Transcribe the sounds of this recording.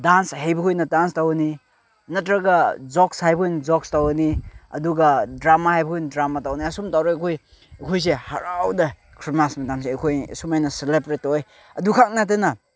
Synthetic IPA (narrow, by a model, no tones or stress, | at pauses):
danshajbɐkʰojnɐdanstawni | nɐtɾɐɡɐzɔkshajbojnzɔkstawɐniɐduɡɐdɾamahajbɐkʰojndɾamatawniɐsumtawɾɔɐkʰoj | ɐkʰojs̬ehɐ̰ɾawdɐ | kʰɾimasmɐdamseɐkʰoj̰sumajnɐselebɾetːɔj | ɐdukʰak̚nat̬enɐ